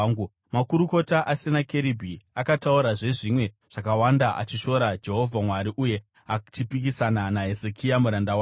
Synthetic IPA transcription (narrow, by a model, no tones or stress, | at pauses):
ŋɡu | makuɾuko̞taʔasinakeɾibʱiakatauɾaʐe̞ʐimwe̞ | ʐ̥akawandaʔa̰t͡ʃiʃo̞ɾad͡ʒe̞ɦo̞vʱamwaɾiʔuje̞ | at͡ʃipikisananaɦe̞zekʰijamuɾandawa